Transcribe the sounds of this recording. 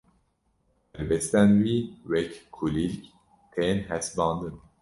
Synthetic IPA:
hɛɾbɛst̪ænwiːwɛkkʰulilk | t̪ʰenɦæsbɑ̃ːnd̪ɨn

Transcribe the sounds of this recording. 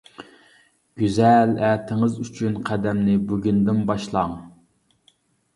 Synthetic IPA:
ɡ̥ʲyzɛlæt̪ʰɪŋɨzyt͡ʃʰynqʰæd̪ɛmnɪbyɡʲynd̪ɪmbɑʃlˠɑŋ

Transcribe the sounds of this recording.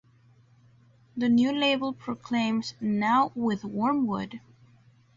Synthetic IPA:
ðɨnjʉleɪbəl̩ˠpʰɹ̥okʰl̥ẽɪ̃mz̥naʊwɪðwɔɹmwʊ̰d̥

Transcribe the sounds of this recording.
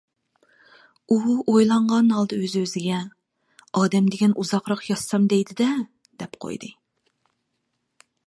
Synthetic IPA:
uojlˠɑɴʁɑnɦɑlˠd̪ɨøzøzɪɡʲɛ | ɑːd̪ɛmd̪ɪɡʲɛnuzɑqɾɑqjɑsːɑmd̪ɛjd̪ɪd̪ɛ | d̪̥ɛpqʰo̰jd̪ɨ

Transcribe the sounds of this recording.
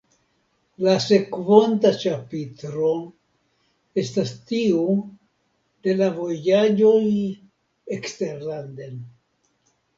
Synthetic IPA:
lase̞kvontat͡ʃapitɾo̞ | e̞stastiu | d̪̥e̞lavo̞jad͡ʒo̞j | ekste̞ɾland̪en

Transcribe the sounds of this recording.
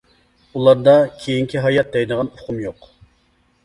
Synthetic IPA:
ulˠɑɾd̪ɑkʲʰejiŋkʲiɦɑjɑt̪̚d̪ɛjd̪əʁɑnʊqʰumjoq

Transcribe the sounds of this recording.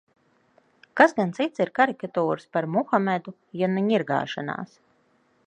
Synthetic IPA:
kasɡant̪sit̪siɾkaɾikat̪uːɾɨspaɾmuxamʲɛd̪u | janiɲiɾɡa̰ːʃana̰ːs

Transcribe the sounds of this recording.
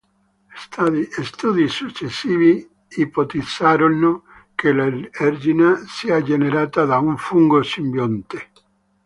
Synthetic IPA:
est̪uðisut͡ʃesiβi | ipot̪isaɾonːo | kelaeɾʒinasead͡ʒeneɾat̪aðauɱfuŋɡosimbjont̪e̥

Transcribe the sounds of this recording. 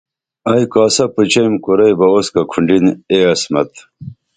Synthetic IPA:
ɐjkaːsɐput͡ɕɐjmkuɾɐjbɐoskɐkʰuɳɖineːɐsmɐt̪

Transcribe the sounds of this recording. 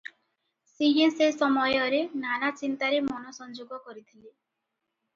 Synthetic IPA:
siɦesesɔmɔjɔɾenanat͡ʃint̪aɾemɔnɔsɔnd͡ʒoɡɔkɔɾit̪ʰili

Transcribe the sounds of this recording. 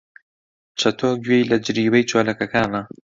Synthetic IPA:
t͡ʃʰɐt̪ʰoːɡɥejlɐd͡ʒɾiːwejt͡ʃʰoːlɐkɐkaːnɐ

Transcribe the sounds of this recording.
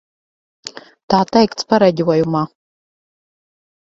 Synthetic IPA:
taːtʰʼajkʼt͡sʰpʰaɾaɡʲiwajuma

